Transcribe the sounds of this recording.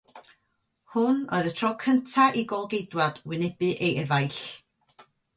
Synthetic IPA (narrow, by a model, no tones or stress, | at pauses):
hʊno̰ɨðətʰrɔkʰəntʰaʔiɡɔlˠɡejdwad̥wɪnɛbɨʔejʔɛvajɬ